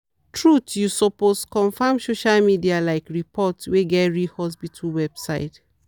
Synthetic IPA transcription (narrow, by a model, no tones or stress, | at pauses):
tʰɹutjusɔposkɔ̃nfãmsoʃalmidialaɪkɹipʰɔtsweɡɛtɹihɔs̬bitʰuwɛb̥sa̰ɪt